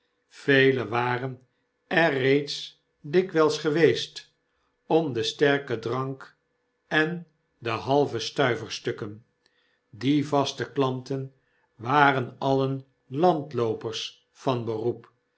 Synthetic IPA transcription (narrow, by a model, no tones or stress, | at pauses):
fejləʋaːrən | ɛːejts | dɪkʋɛlˠsχəʋejst | ɔmd̪əstɛɹkədʁɑŋk | ɛn | dəɦɑlˠvəstœɥvəɹstɵkən | divɑstəklɑntən | ʋaːɾənɑlən | lɑntlowpəɹs | fɑnbərup